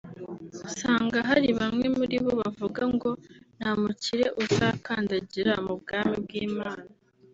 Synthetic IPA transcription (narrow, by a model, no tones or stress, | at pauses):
usaːŋɡaɦaɾiβamŋe̞muɾiβo̞βavuɡaŋɡo̞namuciɾe̞ʔuzaːkaːndaɟiɾamubɡaːmib̚ɡiːmaːna